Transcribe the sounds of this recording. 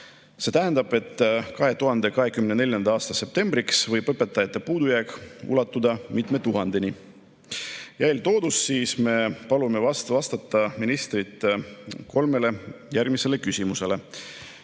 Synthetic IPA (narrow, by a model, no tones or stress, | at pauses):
se̞ːt̪æɦend̪̥ɑb̥e̞t̪ːˑkɑɦe̞t̪uɦɑnd̪e̞kɑɦe̞kymnene̞lʲjɑnd̪̥ɑɑːst̪ɑse̞p̚t̪e̞mbriksvɤjb̥ɤpːˑe̞t̪ːˑɑjɑt̪ːˑe̞puːd̪ujæːkṵlɑt̪ːˑud̪̥ɑmit̪me̞t̪uɦɑnd̪̥e̞ni | jæjlt̪o̞ːd̪̥usːiːsme̞pɑlume̞vɑsvɑst̪ɑt̪ːˑɑminist̪rit̪ːˑko̞lme̞le̞jærɡ̥mise̞le̞kysʲimuse̞le̞